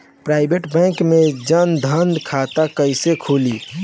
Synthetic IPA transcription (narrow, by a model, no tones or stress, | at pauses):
pɾaɪbeʈbɛ̃ŋkmed͡ʒənd̪ʱənd̪kʰat̪akəɪsekʰuli